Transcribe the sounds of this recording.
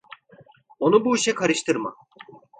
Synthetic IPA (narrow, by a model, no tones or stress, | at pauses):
o̞nubuiʃɛkʰaɾɯʃt̪ʰɯɾma̰